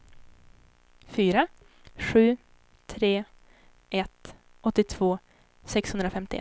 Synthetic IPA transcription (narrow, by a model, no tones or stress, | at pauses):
fyːɾa | ɧʉ̟ː | t̪ʰɾeː | ʔɛt̪ | ʔɔt̪ːɪt̪ʰv̥oː | sɛkshɵnd̪ɾafɛmt̪ɪɛ̰